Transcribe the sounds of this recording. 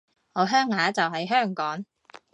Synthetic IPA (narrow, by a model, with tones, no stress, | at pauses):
ŋɔː˨˧ɦœː˥ŋhaː˨˧˥t͡sɐ˨wɦɐ˨jɦœː˥˩ŋkɔː˨˥ŋ